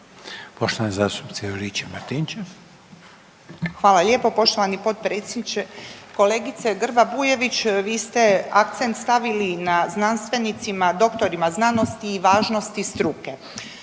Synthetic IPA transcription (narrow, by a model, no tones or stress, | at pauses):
poʃt̪oanezaːst̪up̪sɛoɾit͡ɕemaɾt̪int͡ʃe | xʋaːlaʎʲe̞ːpo̞po̞ʃt̪o̞ʋanipo̞t̪̚pɾet̪sjed̪nit͡ʃeko̞le̞ːɡit̪seɡr̩babuːje̞ʋit͡ɕʋiːst̪e̞ak̚t̪sent̪st̪aʋilinaznanst̪ʋe̞nit̪simad̪o̞kt̪o̞ɾimaznano̞st̪iːʋaːʒno̞st̪ist̪ɾuke̞